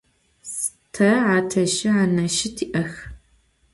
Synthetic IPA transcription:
s | tʰɐʕaːtʰɐʃɪʕaːnɐʃɪtʰiːʔɐx

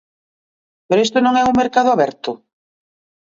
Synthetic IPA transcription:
peɾest̪ʊnõŋɛuŋmeɾkaðʊaβɛɾt̪ʊ

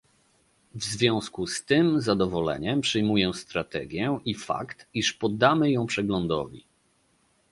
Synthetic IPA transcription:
vzvʲjɔ̃w̃skust̪ɘmzad̪ɔvɔlɛ̰ɲɛmpʂɘjmujɛst̪ɾat̪ɛ̰ɡʲjɛʔifa̰kt̪iʂpɔd̪ːamɘjɔ̃w̃pʂɛɡlɔnd̪ɔ̰vʲḭ

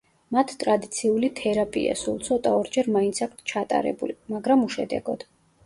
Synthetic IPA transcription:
mat̪ʰt̪ʼɾad̪it̪sʰiulit̪ʰɛɾapʼḭa̰sulˠt̪sʰɔt̪ʼaɔɾd͡ʒɛɾmaint̪sʰak̚ʰt̪ʰt͡ʃʰat̪ʼa̰ɾɛ̰bulimaɡɾamuʃɛd̪ɛ̰ɡɔd̪̥

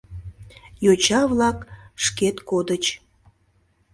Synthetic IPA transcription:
jot͡ɕɑβlɑkʃket̪kod̪ət͡ɕ

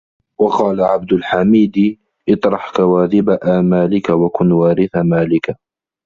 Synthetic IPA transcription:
wɑqɑːlaʕab̚d̪ʊlħamiːd̪ | ʔɨt̪ˤɾˤɑħkawaːðɪbaʔaːmaːlɪkawakʊnwaːɾɪθamaːlɪka

